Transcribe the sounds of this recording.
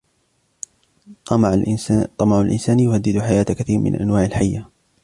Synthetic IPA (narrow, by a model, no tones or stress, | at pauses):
t̪ˤːɑmɑʕalʔɪ̰nsaːnjʊhad̪ːɪd̪ħajaːt̪kaθiːɾmɪ̰nʔa̰nwaːʕɪlħajːa